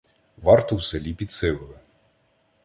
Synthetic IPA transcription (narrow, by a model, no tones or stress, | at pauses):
ʋɑrt̪ɔwselʲipʲid̪sɪlˠʊʋɪ